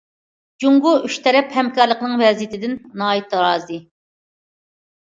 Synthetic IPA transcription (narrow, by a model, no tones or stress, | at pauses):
d͡ʒuŋʁʊyʃt̪ʰɛɾɛphɛmkɑɾlˠəqnɨŋvɛzjit̪ʰɪd̪ɪnːɑːit̪ʰɾɑːzɨ